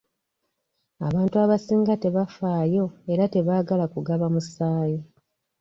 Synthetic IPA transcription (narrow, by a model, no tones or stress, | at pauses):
a̰βaːntuaβasiːŋɡate̞βafaːjo̞e̞ɾate̞βaːɡalakuɡaβamusaːji